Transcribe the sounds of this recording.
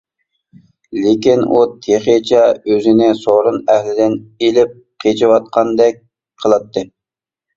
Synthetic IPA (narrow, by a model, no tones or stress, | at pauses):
lekʲinut̪ʰeχet͡ʃʰɛøzɪnɪsoɾunæhlɪd̪ɪnelɪp̚ | qʰet͡ʃʰɪwɑt̪̚qʰɑnd̪ɛk̚ʲ | qʰəlˠɑt̪ːɨ